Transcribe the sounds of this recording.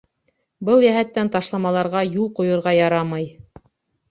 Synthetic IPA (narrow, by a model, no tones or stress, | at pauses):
bɤlˠjæɦæt̪ːænt̪ɑʃlˠɑmɑlˠɑɾʁɑjulˠqŭjŏɾʁɑjɑɾɑmɑj